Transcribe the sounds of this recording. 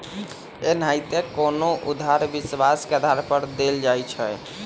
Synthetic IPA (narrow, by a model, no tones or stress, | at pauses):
enajt̪ekonoʔud̪ʱaɾbiswaskeəd̪ʱaɾpəɾd̪eld͡ʒajt͡ʃʰɛ